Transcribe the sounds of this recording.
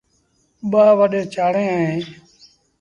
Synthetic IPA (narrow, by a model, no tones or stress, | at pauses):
ɓaːʋəɗẽːt͡ʃaːɽẽːẽː